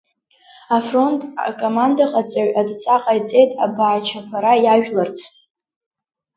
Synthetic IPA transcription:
afro̞ntʼkʼomandaqʼat͡sʼaɥadt͡sʼaqʼajt͡sʼe̞jtʼabaːt͡ʃʰapʷʰaɾajaʒᶣlart͡sʰ

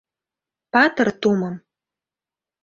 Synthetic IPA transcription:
pɑt̪ɤrt̪umɤ̆m

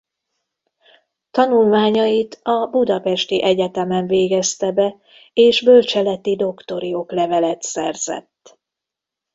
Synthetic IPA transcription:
t̪ɒnulmaːɲɒjit̪ɒbud̪ɒpɛʃt̪iʔɛɟɛt̪ɛmɛɱveːɡɛst̪ɛbɛ | eːʒbølt͡ʃɛlɛt̪id̪o̞kt̪o̞ɾioklɛvɛlɛt̪sɛrz̥ɛ̰t̪ː

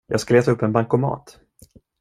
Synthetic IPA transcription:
jɑːɡskaleːt̪ʰaɵpːɛnbaŋkʊmɑ̰ːt̪

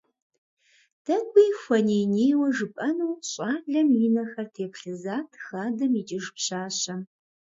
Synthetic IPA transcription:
d̥ʰɐɡʷijxʷɐneːneːjwɐʒɨpʼɐnuwɕʼaːɮɐmiːnɐxɐrtʰeːpɬɨzaːtʰxaːdɐmiːd͡ʒʼɪʒpɕaːɕɐ

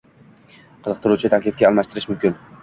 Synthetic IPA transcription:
qʰɨzɨq̚t̪ʰɪɾut͡ʃʰɪt̪ʰakʲlɪfɡʲaːlˠmaʃt̪ɪɾɪʃmʊmkʲɪn

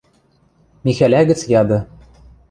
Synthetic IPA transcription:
mixælæɡɘ̆t͡sjɑd̪ɤ̆

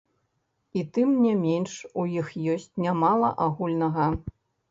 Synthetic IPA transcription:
it̪ɨmnʲɛmʲenʂujixjɔsʲt͡sʲnʲamalˠɐ̰ʔaɣulʲnɐɣɐ

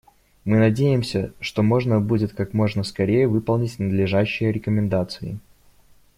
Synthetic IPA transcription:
mɨnɐdʲejɪmsʲəʂt̪o̞mo̞ʐnəbudʲɪt̪kakmo̞ʐnəskɐɾʲejəvɨpəlˠnʲɪtʲnəd̪lʲɪʐaɕːɪjəɾʲɪkəmʲɪnd̪at̪sɨɪ̰

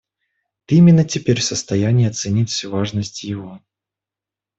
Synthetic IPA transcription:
t̪imʲɪnːətʲɪpʲeɾʲfsəst̪ɐjænʲɪːɐt̪sɨnʲitʲfsʲuvaʐnəsʲtʲjɪvo

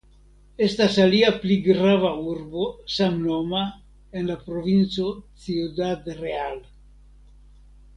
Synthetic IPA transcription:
e̞stasaliapliɡɾavauɾbo̞samno̞ma | enlapɾovint͡so̞t͡siodad̪ɾeal

